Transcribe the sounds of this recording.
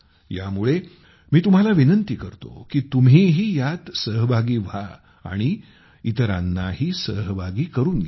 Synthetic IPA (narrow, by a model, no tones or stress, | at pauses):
jamuɭe | miːt̪um̤alaʋinənt̪ikəɾt̪o̰kiːt̪umɦiːɦiːjat̪səɦbʱaɡiːʋ̤ʱa | a̰ɽ̃i | it̪əɾa̰nːahiːsəɦbʱaɡiːkəɾuːnɡ